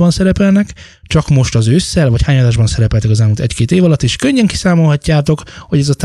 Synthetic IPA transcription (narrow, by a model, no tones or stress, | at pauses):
bɒnsɛɾɛpɛlnɛk | t͡ʃɒkmo̞ʃt̪ɒzøːsːɛlvɒchaːɲɒd̪aːʒbɒnsɛɾɛpɛlt̪ɛkɒzɛlmuːlt̪ɛckeːt̪eːvɒlɒt̪ːeʃkøɲːɛŋki̥saːmo̞lɦɒcːaːt̪o̞kho̞ɟɛzɒt̪